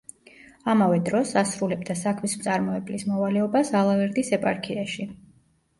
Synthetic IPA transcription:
amavɛd̪ɾɔsasɾulɛbd̪asakʰmismt̪sʼaɾmɔɛblismɔvalɛɔbasalˠavɛɾd̪isɛpʼaɾkʰiaʃi

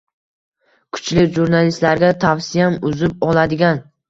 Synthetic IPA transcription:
kʰʊ̥t͡ʃlɪkʲʒuɾnalist̪laɾɡʲat̪ʰafsɪjamʊzɪp̚ɒlad̪ɪɡʲan

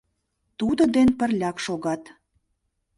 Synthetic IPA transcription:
t̪ud̪ŏd̪enpə̆rlʲɑkʃoɣɑt̪

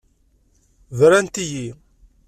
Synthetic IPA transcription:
vɾænt̪iji

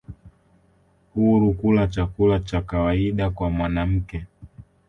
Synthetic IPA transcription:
huɾukulat͡ʃakulat͡ʃakawaiɗakwamwanam̩kɛ

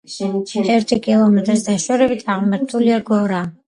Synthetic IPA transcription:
t͡ʃʰt̪ʰʼɛɾt̪ʰikʼilˠɔmɛt̪ʼɾisd̪aʃɔɾɛbit̪ʰaʁmɛɾt̪ʰuliaɡɔɾa

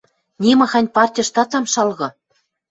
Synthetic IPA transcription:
nʲimɤ̆xɑnʲpɑrtʲijʃt̪ɑt̪ɑmʃɑlɣɤ̆

